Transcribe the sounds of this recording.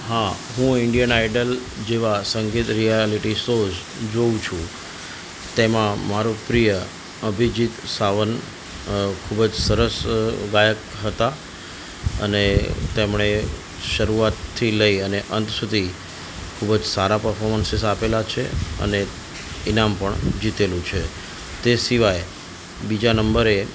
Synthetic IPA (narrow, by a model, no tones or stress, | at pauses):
ɦã | ɦũɪɳɖijənaiɖəl | d͡ʒeʋasəŋɡit̪ɾijaliʈisod͡ʒ | d͡ʒoũt͡ʃʰũ | t̪emãmaɾopɾijə | əbʱid͡ʒit̪saʋən | kʰubd͡ʒsəɾəsɡajək | ɦət̪a | ə̰net̪emɳe | ʃəɾuat̪ʰːiləiəneʔənt̪sud̪ʱi | kʰubəd͡ʒsaɾapəɾfʰɔɾmənsɪsapelat͡ʃʰḛə̰ne | inampəɳd͡ʒit̪elũt͡ʃʰe | t̪esiʋaj | bid͡ʒanəmbəɾe